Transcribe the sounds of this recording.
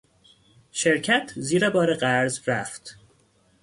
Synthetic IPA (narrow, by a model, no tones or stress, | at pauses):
ʃe̞ɾcʰæt̪ʰziːɾebɒːɾeɢæɾzɾæft̪